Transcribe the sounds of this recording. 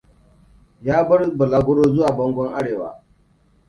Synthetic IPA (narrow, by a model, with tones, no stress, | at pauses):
jaː˦bɐ˦rbɐ˨laː˦ɡʷʊ˦ɽoː˦zʊ˦waː˨bɔ˦ŋɡʷɔ˦ŋʔa˦ɽeː˨wa̰ː˨